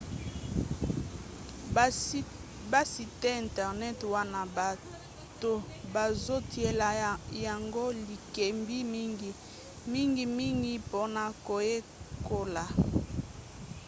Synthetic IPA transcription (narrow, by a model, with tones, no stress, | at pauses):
ba˦si˨te˦ɛ̃˨ntɛ˨ʁnɛ˦twa˦na˨a˨ | to˦ | ba˨zo˦tʰi˨e˨la˨ja˨ŋɡo˦li˨ke˨mbi˦mi˦ŋɡi˨ | mi˦ŋɡi˨mi˦ŋɡi˦po˦na˦ko˨je˦ | ko˨la˨